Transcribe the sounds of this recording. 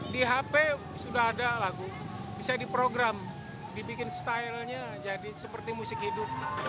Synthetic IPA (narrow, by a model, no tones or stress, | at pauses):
diɦape | sudaɦadalaɡu | bisadipɾoɡɾam | dibikɪnst̪ailɲa | d͡ʒadisəpərt̪imusɪkɦidʊp̚